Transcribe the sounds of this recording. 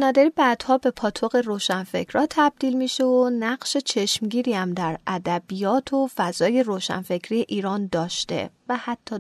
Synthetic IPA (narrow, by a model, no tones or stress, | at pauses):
nɒːd̪æɾiːbæd̪̥hɒːbe̞pʰɒːt̪ʰo̞ɣe̞roːʃænfe̞̰cʰɾɒːt̪ʰæb̚d̪iːlmiʃeonæɢʃe̞t͡ʃʰe̞ʃmɟiːɾiːæmd̪æɾæd̪æbijɒːt̪ʰo̞fæzɒːje̞ɾoːʃæ̰nfe̞cʰɾijeʔiːɾɒːnd̪ɒːʃt̪e̞̰væhæt̪ʰːɒː